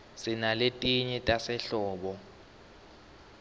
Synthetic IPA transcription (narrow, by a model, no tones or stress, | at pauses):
sinaletʼiɲɛtʼasɛɬɔːɓɔ